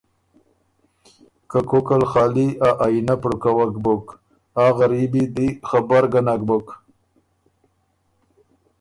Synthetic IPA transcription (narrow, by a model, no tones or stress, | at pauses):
kakokalxɑːliaʔajinapɽukawakbʊk | aɣaɾibid̪ixabaɾɡanak̚bʊk